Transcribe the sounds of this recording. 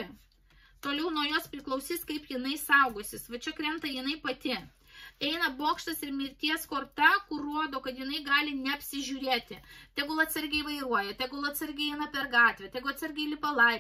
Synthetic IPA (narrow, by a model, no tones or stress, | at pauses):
t̪oːlʲɛʊnuɔjoːspʲɾʲɪklˠɐʊsʲiːskɐɪpjɪnɐɪsɐʊɡʊsʲɪsʋɐt͡ʃʲɛkɾʲɛmt̪ɐjɪnɐɪpɐt̪ʲɪ | ɛɪnɐboːkʃt̪ɐsɪɾmʲiːɾʲt̪ʲiɛskoːrt̪ɐkʊrruɔd̪oːkɐt̪jɪnɐɪɡɑːlʲɪnʲɛɐpʲsʲɪʒʲuːɾʲeːt̪ʲɪt̪ʲɛɡʊlˠɐt̪sɐɾʲɡʲɛɪʋɐɪɾuɔjɛt̪ʲɛɡolˠɐt̪sɐɾʲɡʲɛɪɛɪnɐpʲɛrɡɑːt̪ʲʋʲɛt̪ʲɛɡʊɐt̪sɐɾʲɡʲɛɪlʲɪpɐlˠɐɪ